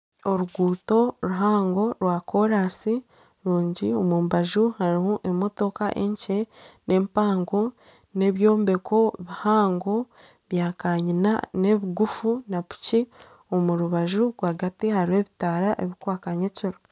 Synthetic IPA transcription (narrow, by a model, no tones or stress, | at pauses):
o̞ɾuɡuːto̞ɾuɦaːŋɡo̞ɾwakʰo̞ɾaːsi | ɾuːɲɟio̞muːmbaʒuhaɾihoʔemo̞to̞kaʔe̞̰ɲce̞nʔe̞ːmpaːŋɡo̞ | ne̞βjo̞ːmbe̞kʰo̞βihaːŋɡo̞ | βjaːkaːɲina̰ne̞βiɡufunapu̥ci | omuɾuβaʒuɡwaɡatihaɾiwe̞ːβitaːɾaʔe̞βikwaːkaɲeciɾo